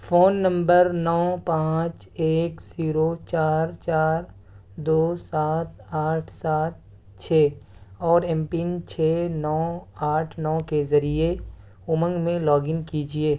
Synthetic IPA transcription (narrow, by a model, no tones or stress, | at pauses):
foːnːə̃mbəɾnɔːpãːt͡ʃ | eːkziːɾot͡ʃaːɾt͡ʃaːɾ | d̪oːsaːt̪aːʈʰsaːt̪̚ | t͡ʃʰeːɔːɾɛ̃mpint͡ʃʰeːnɔːaːʈʰnɔːkezɐɾie | ʊmə̃ŋɡmẽlɔːɡɪ̃ŋɡkid͡ʒieː